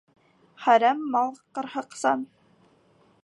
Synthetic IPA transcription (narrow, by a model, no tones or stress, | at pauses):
χæɾæmːɑlˠqɤ̆ɾhɤ̆qsɑn